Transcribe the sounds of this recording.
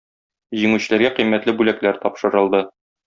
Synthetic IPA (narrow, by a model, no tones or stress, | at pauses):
ʑiŋʉɕɘ̆læɾɡæqimːæt̪lɘbʉlæklæɾt̪ɒpʃɤ̆ɾɤ̆lˠd̪ɤ